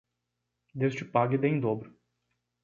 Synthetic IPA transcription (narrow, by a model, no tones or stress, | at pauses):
d̪est͡ʃɪpaɡɪd̪ẽj̃d̪obɾʊ